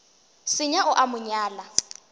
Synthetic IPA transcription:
sɪɲaʔʊʔamʊɲaːla

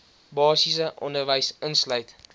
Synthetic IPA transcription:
bɑːsisəʔɔ̰ndərvəjsənslœɥt

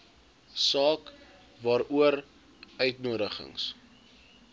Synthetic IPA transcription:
sɑːk | vɑːɾuəɾ | ʔœɥtnuəɾəχə̰ŋs

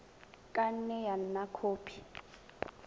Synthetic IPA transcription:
kʼan̩nɛjan̩nakʰoːpʰi̥

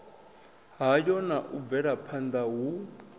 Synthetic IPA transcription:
ɦajɔnaʔub̪vɛɺapʰand̪aɦu

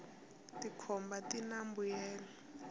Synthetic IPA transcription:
tikʰɔmbatinambujɛːla

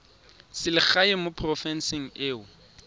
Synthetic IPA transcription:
sɪlɪχaɪmʊpʰrɔfɛnsɪŋ̩eːʊ

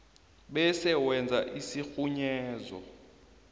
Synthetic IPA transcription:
ɓɛsɛwɛnd͡zʱaʔisixuɲɛːzɔ̰

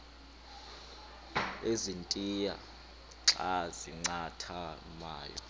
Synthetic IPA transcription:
ezintʼija | ǁaziŋ͡ǀatʰa | maːjɔ̰

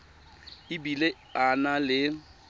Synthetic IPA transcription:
ɪbile | analɪ

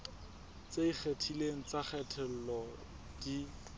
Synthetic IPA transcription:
t͡seik͡xʰetʰileŋ̩t͡saχɛtʰɛl̩lɔ | d̥i

